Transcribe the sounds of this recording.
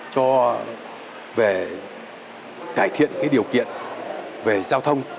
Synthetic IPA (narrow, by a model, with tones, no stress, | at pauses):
t͡ɕɔ˧ | ve˨˩ | kaː˧˩jt̪ʰḭ˧˨ənkaː˨˦jɗi˨˩əwkḭ˧˨ənve˨˩zaː˧wt̪ʰə˧wŋ͡m